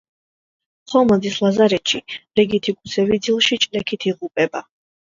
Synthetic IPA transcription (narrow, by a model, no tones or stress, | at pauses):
χɔmɔd̪islˠazaɾɛt̪ʃilɛɡit̪ʰikʰʼusʰɛvid̪zilˠʃit͡ʃʼlɛkʰit̪ʰiʁupʼɛba